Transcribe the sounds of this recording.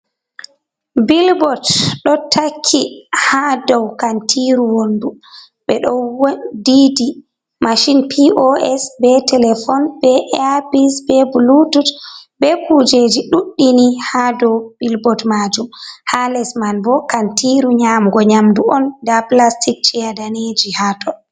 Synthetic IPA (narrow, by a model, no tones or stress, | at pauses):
bilbɔtɗɔtʰakʰːihadɔwkantʰiɾuwondu | ɓɛɗɔwdidi | maʃinpʰiʔɔɛsbɛtɛlɛfɔnbɛʔɛpisbɛbulututbɛpud͡ʒed͡ʒiɗuɗːinihadɔwbilbɔtmad͡ʒumhalɛsmanbɔkantiɾuɲamɡɔɲamduɔndaplastik̚t͡ʃɛjadaned͡ʒihatʰɔ